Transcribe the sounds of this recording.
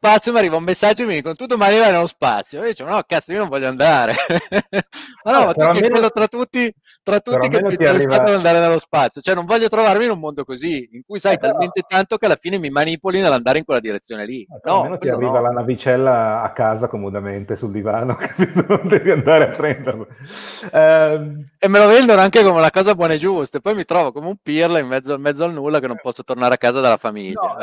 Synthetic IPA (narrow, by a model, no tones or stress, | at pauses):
spat̪sːjomiarːiːvaumːesːad͡ʒːomid̪ikonot̪ud̪omanivajnelːospa̰t̪sːjojd̪it͡ʃemanɔkːat̪sːoionõɱvɔʎːoand̪aːɾe | manɔmat̪uɛkwwelːot̪ɾat̪ːut̪ːi | t̪ɾat̪ːuɾːimkeeniasat̪and̪aːɾenelːospat̪sːjot͡ʃoɛnõɱvɔʎːot̪ɾovarmiːnummːond̪okoziiŋkujsajt̪alment̪et̪ant̪okealːafiːnemimanipolinelːand̪aːɾeiŋkwelːad̪iɾet̪sːjoːnelinɔnoarːiːvalanavit͡ʃɛlːaːkːaːzakomod̪ament̪esuld̪ivaːnoke̥ped̪onond̪eviand̪aːɾeat̪ːɾent̪am | ɛ | emːelovɛnd̪onoaŋkekomeunakɔːzabwɔːnaed͡ʒust̪aepːɔjmit̪ɾɔːvokomeumpirlaimːɛd̪zːoamːɛd̪zoalnulːakenːompɔsːot̪ornaːɾeakːaːzad̪alːafamiʎːa